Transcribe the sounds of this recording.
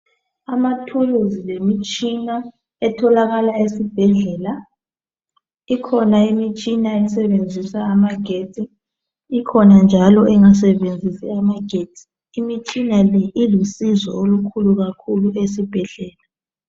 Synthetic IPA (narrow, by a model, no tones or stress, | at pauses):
amatʰuluzilemit͡ʃʼina | ɛtʰɔlaɣalaesib̥ʱɛɮɛːla | ikʰɔnaimit͡ʃʼinaɛsɛβend͡zʱisaːmaɡ̥ʱetʼiː | kʰɔnand͡ʒʱalɔʔɛŋas̬ɛβend͡zʱisiamaɡ̥ʱeːtʰʼi̥ː | mit͡ʃʼinalɛʔilusizɔ̰olukʰuluɣakʰuluesib̥ʱɛɮɛːla